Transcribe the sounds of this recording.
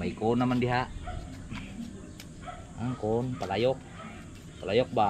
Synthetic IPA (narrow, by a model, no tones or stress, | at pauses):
maikonamandiɦaʔ | aŋkonpalajɔk̚ | palajɔk̚ba